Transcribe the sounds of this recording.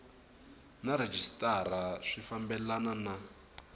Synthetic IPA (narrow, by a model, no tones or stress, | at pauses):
naɾed͡ʒistʼaraʂifambɛlanana